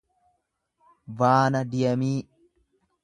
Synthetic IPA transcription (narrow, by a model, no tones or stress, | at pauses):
baːnɐd̪ɪjɐmiː